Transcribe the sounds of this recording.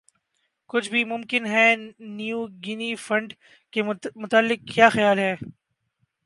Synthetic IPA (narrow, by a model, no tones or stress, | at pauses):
kʊt͡ʃʰbʱimʊ̃mkɪnɦɛːnjuːɡɪnifɐ̃ɳɖ | kemʊt̪aːlːɪk̚kːjaːxɐjaːlɦɛː